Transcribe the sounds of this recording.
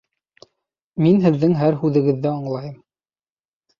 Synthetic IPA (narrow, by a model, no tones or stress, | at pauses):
minɦɘ̆ðːɘŋɦæɾɦʉðɘ̆ɡɘ̆ðːɘɑɴlˠɑjɤm